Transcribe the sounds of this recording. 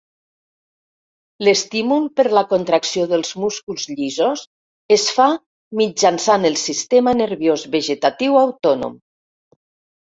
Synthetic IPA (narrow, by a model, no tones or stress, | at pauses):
lest̪imulˠpəɾlakont̪ɾaksioðəlˠzmuskulˠzʎizos | esfa | mid͡ʒansanəlˠsist̪emanəɾβjozβəʒet̪at̪iwawt̪ɔno̰m